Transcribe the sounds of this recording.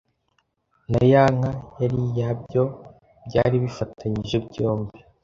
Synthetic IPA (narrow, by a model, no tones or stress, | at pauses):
najaːŋajaɾijabjo̞ | b̥ɟaːɾiβifatʰaɲiʒe̞bɟo̞ːmbi